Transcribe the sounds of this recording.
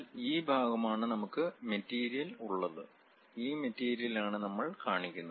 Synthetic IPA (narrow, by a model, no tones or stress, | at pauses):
iːbʱaːɡɐmaːɳɨnɐmukːɨmetːiːɾijɐluɭːɐðɨ | iːmetːiːɾijɐlaːɳɨnɐmːɐɭkaːɳikʲːunːɐ